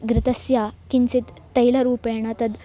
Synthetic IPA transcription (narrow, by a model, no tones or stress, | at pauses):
ɡɾɪt̪əsjakint͡sit̪ːəjlaɾuːpeɳ̃at̪ət̪